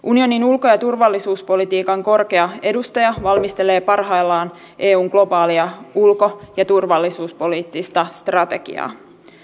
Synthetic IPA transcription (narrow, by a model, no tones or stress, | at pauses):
ʔunio̞ninulko̞jɑt̪urʋɑlːisuːspo̞lit̪iːkɑŋko̞rke̞ɑe̞dust̪ɑjɑʋɑlmist̪e̞le̞ːpɑrɦɑjlːɑːn | ʔe̞ːuːŋɡ̥lo̞bɑːliɑulko̞jɑt̪urʋɑlːisuːspo̞liːt̪ːist̪ɑst̪rɑt̪e̞ɡ̥ḭɑ̰ː